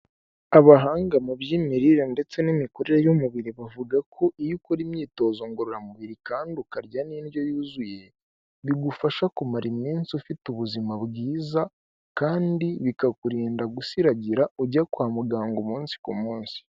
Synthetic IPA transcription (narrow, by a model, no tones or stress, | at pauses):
aβaɦaːŋɡamuβjimiɾiɾende̞t͡se̞nimiko̞ɾe̞ɾejomuβiɾiβavuɡakʰo̞ʔijukoɾimɲiːto̞ːzo̞ŋɡoɾoɾamuβiɾikaːndukaɾɟaniːnjo̞juːzuje̞ | βiɡufaʃakumaɾimiːnsiufituβuzimaβɡiːza | kaːndiβikakuɾiːndaɡusiɾaɟiɾauɟakwaːmuɡaːŋɡumuːnsi̥kumuːnsi̥